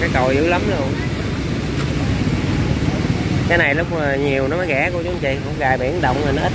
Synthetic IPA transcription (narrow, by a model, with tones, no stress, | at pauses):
kaː˨˦jkə˨˩wzɨ̰˧˥lə˨˦mlu˧˩ən | kaː˨˦jna˨˩jlʊ˦˥k͡p̚ːɲi˨˩əwnɔ˨˦mɔ˨˦jɣɛ̰˧˥kət͡ɕʊ˨˧˦ŋ͡mt͡ɕḭ˧˨hə̰˧˥ŋ͡mɣaː˨˩jɓḭ˧˩ənɗə̰˧˨wŋ͡mhə˨˩nɔ˨˦ʔəː˦˥